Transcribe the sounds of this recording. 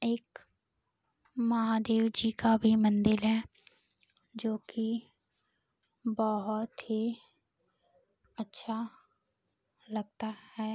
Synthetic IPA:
eːk | mɐɦãd̪eːwd͡ʒikabʱimə̃nd̪ɪlɦɛː | d͡ʒoːki | bɔɦʊt̪ɦi | ətːʃʰa | lɐɡ̚t̪ahɛː

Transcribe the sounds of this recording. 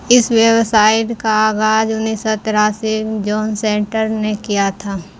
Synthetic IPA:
ɪswjəwsaːɪʈkaaːɡaːd͡ʒʊnisət̪ɾaːsid͡ʒɔːnsẽːɳʈəɾnekijat̪ʰaː

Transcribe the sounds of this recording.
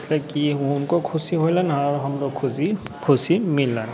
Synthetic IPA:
t̪ʰlekinkokʰʊsiɦojlanaɾɦəmɾokʰʊsi | kʰʊsimɪlːan

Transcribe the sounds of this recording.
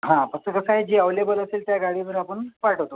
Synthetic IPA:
ɦãpəsəkəsaɦed͡ʑeəʋlebələseːlt̪jaɡaɽiʋəɾapəɳʋaʈəʋt̪o

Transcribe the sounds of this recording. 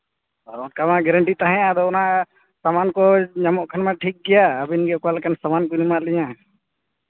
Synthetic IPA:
ɔɾɔnkamaɡɛɾəɳʈit̪aɦɛ̃jad̪ɔɔnaʔ | samankɔɲamɔʔkʰanmaʈʰik̚ɡɛjaːbinɡɛʔkɔalɛkansamankɔnimaʔlɛɲa

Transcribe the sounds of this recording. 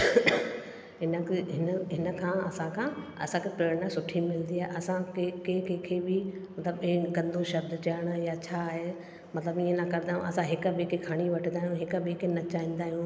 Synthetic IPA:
ɦɪnəɦɪnəɦɪnə̆kʰãːɐsãkʰãː | ɐ̰sãkʰepɾeːɽnasʊʈʰimɪl̃nd̪iaːɦeʔɐsãkekekẽːkʰebɪmɐt̪ləbɪ̃ɡɐ̃nd̪ʱõʃɐb̚d̪t͡ɕɐəɽ̃jat͡ɕʰaːɦe | mɐt̪ɪləbiːə̃nɐkɐɾɪd̪aːɦjṵ̃ʔɐsãɦɪkəbeːkekʰaːɽ̃iʋɐʈʰə̃nd̪aːɦijũɦɪkbeːkenɐt͡ɕaːĩːn̆d̪aːɦijũ

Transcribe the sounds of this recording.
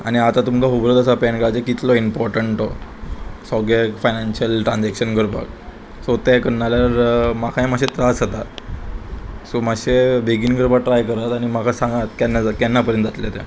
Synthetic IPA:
a̰ɽ̃iat̪at̪umkaɦubɾət̪əsapɛnkat͡ɕekit̪lɔimpɔɾʈəɳʈɔ | sɔɡekfajnanɕəlʈɾãnd͡zækɕənɡəɾbʱa̰k | sot̪ɛkənːaljaɾmakʰaẽmaɕet̪ɾasɦat̪a | somaɕebʱeɡiːnɡəɾbaʈɾajkəɾət̪aɽ̃imakʰasãŋɡat̪kanːad͡zkanːapəɾjənt̪d͡zat̪let̪ɛ̰

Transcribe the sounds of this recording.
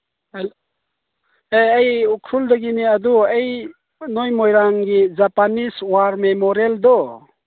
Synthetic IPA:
l | eɐjukʰɾuld̪ɐɡiniɐd̪uej | nojmojɾaŋɡid͡ʒapaniswaːɾmẽmoɾeld̪o

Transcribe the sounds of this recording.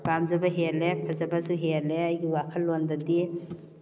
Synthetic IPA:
b̥amzabaɦelepʰazabasuɦeleajɡiwakʰallːondadi

